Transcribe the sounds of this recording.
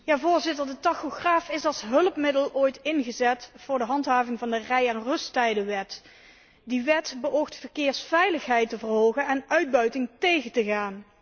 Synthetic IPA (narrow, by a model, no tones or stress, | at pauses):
jaːvʊːɹzɪtəɹdətɑxoχraːfɪsɑlˠsɦɵləpmɪdəloːjtɪnɣəzɛtfʊːɹdəɦɑntɦaːvɪŋvɑndərɛjanrɵstɛjdəʋɛt | diʋɛtbəʔowxtfərkɪːɹsfɛjləxɦɛjtəvərɦowɣənɛnœɥd̚bœɥtɪŋtejɣəntəɣaːn